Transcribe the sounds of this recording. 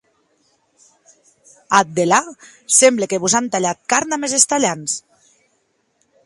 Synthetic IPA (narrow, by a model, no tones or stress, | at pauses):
at̪̚d̪ela | semblekeβuzant̪aʎat̪̚kaɾnamezest̪aʎans